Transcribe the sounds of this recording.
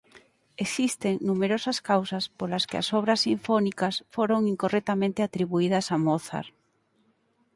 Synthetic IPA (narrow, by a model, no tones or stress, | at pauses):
esist̪eŋnumeɾosɐskawsɐspolɐskeɐ̰sɔβɾɐsːiɱfɔnikɐsfoɾoŋiŋkorɛk̚t̪amẽnt̪ɪat̪ɾiβuiðɐsamoθa̰ɾ